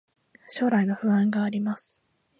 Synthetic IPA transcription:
ɕo̞ːɾaino̞ɸɯ̟βãŋɡaːɾʲimasɨ̥

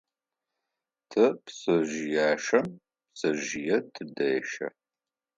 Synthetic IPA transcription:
tʰɨpsɐʒjaːʂɐm | psɐʒijɛtʰɨdɐːʃɐ̰

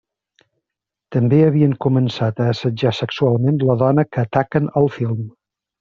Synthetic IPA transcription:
t̪əmbeəβiəŋkumənsat̪əːsəd͡ʒasəksualˠmenləðɔnəkəːt̪akənəlˠfilˠm

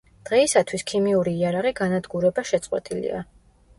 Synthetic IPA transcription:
d̪̥ʁɛisat̪ʰwiskʰimiuɾiːaɾaʁiɡanad̪ɡuɾɛbaʃɛt̪sʼqʼwɛ̰t̪ʼilḭa̰

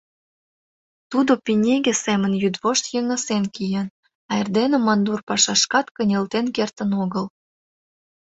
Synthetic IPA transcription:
t̪ud̪opinʲeɡesemənjyd̪βoʃt̪jəŋə̆senkijən | ɑerd̪enĕmɑnd̪urpɑʃɑʃkɑt̪kənʲelt̪enkert̪ə̆noɣəl

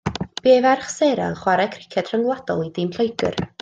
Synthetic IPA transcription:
b̥eːvɛrχseɾa̰ənχwaɾɛkʰrɪkʰɛd̥r̥əŋlˠadɔ̰lˠidɪmɬojɡɨ̰r

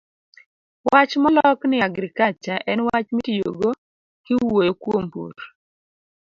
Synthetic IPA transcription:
wat͡ʃmɔlɔknɪaɡɾɪkat͡ʃaʔɛnwat͡ʃmitijo̰ɡo | kɪwojokwompo̰ɾ

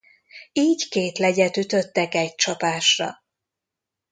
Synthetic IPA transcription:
iːɟkeːt̪lɛɟɛt̪yt̪ø̞t̪ːɛkɛc̚t͡ʃɒpaːʃrɒ̰

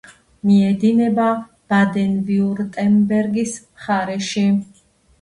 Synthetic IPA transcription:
miɛd̪inɛba | b̥ad̪ɛnviuɾt̪ʼɛmbɛɾɡismχaɾɛʃi

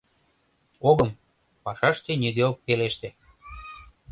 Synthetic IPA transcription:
oɣəm | pɑʃɑʃt̪enʲid̪eok̚peleʃt̪ĕ

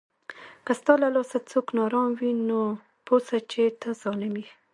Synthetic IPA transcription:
kast̪ɑlalɑsat͡soknɑɾɑmwino | posat͡ʃet̪ʰazɑlɪmi

